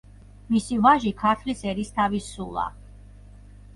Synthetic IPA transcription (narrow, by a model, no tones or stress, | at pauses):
misivaʒikʰaɾt̪ʰlisɛɾist̪ʰavisulˠa̰